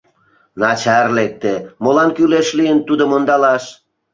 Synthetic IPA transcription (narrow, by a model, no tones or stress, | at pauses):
nɑt͡ɕɑrlek̚t̪emolɑnkyleʃlijənt̪ud̪omond̪ɑlɑʃ